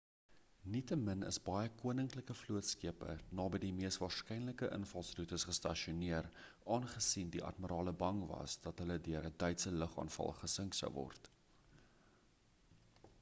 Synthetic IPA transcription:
nitəmənə̰sbɐjəkuənəŋkləkəfluətskiəpə̰nɑːbədimiəstvɑːrskɛjnləkəʔə̰nfɐlˠsrutəsχəstɐʃiuniər | ɑːnχəsindiʔɐ̰tməɾɑːləbɐŋvɐ̰sdɐtɦələdyəɾədœɥtsələχɑ̰ːnfɐ̰lˠχəsəŋksə̰wvɔ̰rt

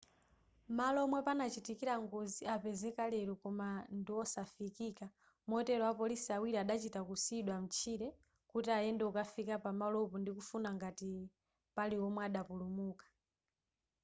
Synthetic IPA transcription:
malɔmwɛpanat͡ʃitikiɾaŋɡɔziapɛzɛkalɛɾɔkɔmandiwɔsafikika | mɔtɛɾɔwapɔlisiawiɾiaɗat͡ʃitakusiɗwam̩t͡ʃʰiɾɛ | kutiajɛndɛukafikapamalɔpɔndikufunaŋɡati | paliɔmwɛaɗapulumuːkḁ

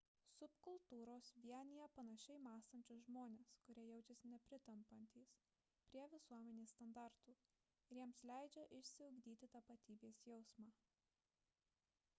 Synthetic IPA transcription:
sʊpkʊlˠt̪uːɾoːsʋʲiɛnʲɪjɛpɐnɐʃʲɛɪmɑːst̪ɐnʲt͡ʃʲoːsʒmoːnʲeːskʊɾʲiɛjɛʊt͡ʃʲɛsʲnʲɛpʲɾʲɪt̪ɐmpɐnʲt̪ʲiːs | pʲɾʲiɛʋʲɪsuɔmʲɛnʲeːst̪ɐnd̪ɑˑɾt̪uː | ɪɾjiɛmslʲæˑɪd͡ʒʲɛʔɪʃʲsʲɪʊɡd̪ʲiːt̪ʲɪt̪ɐpɐt̪ʲiːbʲeːsjɛʊsmɑː

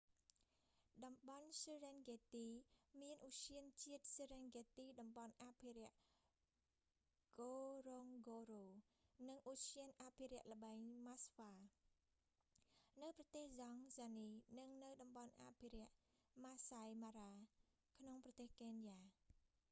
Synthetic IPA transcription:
ɗɑmɓɑnsirɛnɡet̪iːmiənʔusiənt͡ɕiət̪̚siɾɛnɡet̪iːɗɑmɓɑnʔaːpʰiɾɛ̆əʔ | ɡ̥oːroŋɡoːroː | nɨŋʔusiənʔaːpʰiɾɛ̆əʔlə̆ɓaːŋmasʋaː | nɨwprɑt̪eːhzɑŋzaːniːnɨŋnɨwɗɑmɓɑnʔa̰ːpʰiɾɛ̆əʔmaːsajmaːɾaː | kʰnoŋprɑt̪eːhkenjaː

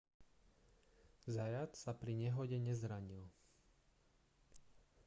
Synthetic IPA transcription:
zajat̪sapɾiɲɛɦɔɟɛɲɛzɾaɲil

